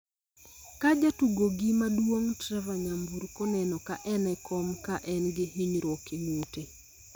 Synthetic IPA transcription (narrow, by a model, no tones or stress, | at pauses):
kad͡ʒatuɡoɡimadwoŋtɾɛvaɲambuɾkɔnɛnɔkaʔɛnɛkʰɔmkaʔɛnɡɪɦiɲɾɔkeŋute